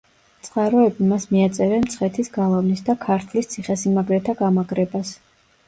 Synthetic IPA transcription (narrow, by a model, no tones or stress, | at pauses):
t̪sʼqʼaɾɔɛbimasmiat̪sʼɛɾɛmt̪sʰχɛt̪ʰisɡalˠavnisd̪akʰaɾt̪ʰlist̪sʰiχɛsimaɡɾɛt̪ʰaɡamaɡɾɛbas